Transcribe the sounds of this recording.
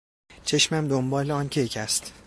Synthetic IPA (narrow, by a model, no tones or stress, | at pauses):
t͡ʃʰe̞ʃmæmd̪ombɒːleɒncʰejcʰæst̪